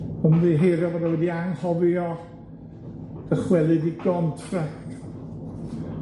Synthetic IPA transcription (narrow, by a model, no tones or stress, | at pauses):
əmðiɦejɾjɔvɔdawɛdiaŋhɔvɔ | d̥əχwɛlˠɨdiɡɔntʰrɛk